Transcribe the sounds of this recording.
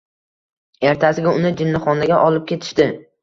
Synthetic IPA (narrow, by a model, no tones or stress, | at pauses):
e̞ɾt̪ʰasɪɡʲaʊnɪd͡ʒɪnːɪχɒnaɡʲaʔɒlɪp̚kʲʰe̞t̪ʰɪ̥ʃt̪ɪ